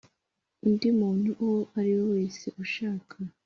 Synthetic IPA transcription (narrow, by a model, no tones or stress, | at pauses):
indimuːn̥huʔoaɾiwowe̞ːse̞ʔuʃaːkʰa